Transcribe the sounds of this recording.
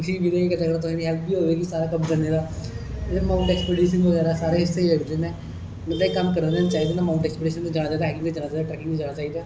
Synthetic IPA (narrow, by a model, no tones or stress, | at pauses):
sʰĩbileːekət̪ãːkəɾt̪ʊsãːniːɦɛːlp̪̚biːɦoːʋeːɡisaːɾaːkəbd͡ʒ̪əneːd̪aː | maːʊɳʈɛːkspeːɖiːʃənʋəɣɛːɾaːsaːɾeːɦɪsːeːiːləɡd̪eːnɛ̃ː | mət̪ləikəmkəɾd̪eːnent͡ʃaːid̪eːnaːmaːʊ̃ɳʈɛːkspeːɖiːʃənt̪õːd͡ʒaːɽaːt͡ʃaːid̪aɦɛːkɪŋt̪eːd͡ʒaːɽaːt͡ʃaːid̪aːʈɾɛːkɪ̃ŋd̪eːd͡ʒaːɽ̃aːt͡ʃaːiːd̪aː